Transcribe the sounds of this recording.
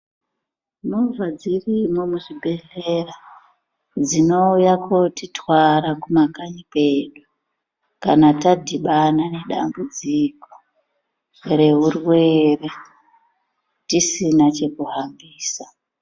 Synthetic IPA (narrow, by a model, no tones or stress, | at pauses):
nuvʱad͡zirimomuʐibʱe̞ɮe̞ra | d͡zino̞ujakotitwaɾakumakaɲipe̞ɗu | kanatadʱiɓanane̞ɗa̰mbud͡ziko̥ | re̞ɦurwe̞re | tisinat͡ʃe̞kuɦambiːsa